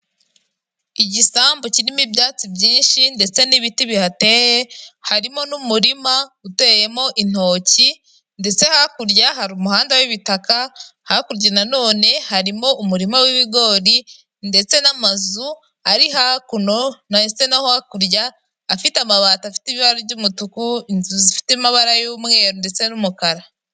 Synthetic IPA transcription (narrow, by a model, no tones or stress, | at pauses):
iɟisaːmbociɾimibɟaːt͡sibɟiːnʃinde̞t͡se̞niβitiβihate̞je̞haɾimo̞numuɾimaɡute̞je̞mo̞ʔin̥o̞ːci | nde̞t͡se̞hakuɾɟaɦaɾumuhaːndawiβitakahakuɾɟenano̞ːne̞haɾimo̞umuɾimawiβiɡo̞ːɾi | nde̞t͡se̞namazu | aɾiɦakuno̞nat͡senahohakuɾjaː | fitamaβaːtafi̥teβiβaɾoβɟumutukuinzuzifi̥temaβaɾajoːmŋe̞ːɾondet͡se̞numukaɾa